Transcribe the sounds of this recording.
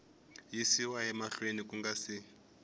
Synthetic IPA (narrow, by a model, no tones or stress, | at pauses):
jisiwaɦɛmaɬwenikuŋɡasi